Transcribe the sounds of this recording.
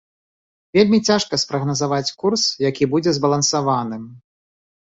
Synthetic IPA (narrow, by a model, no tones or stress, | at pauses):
vʲelʲmʲit͡sʲaʂkɐspɾɐɣnɐzavat͡sʲkursjakʲibud͡zʲɛzbɐlˠɐnsavanɨm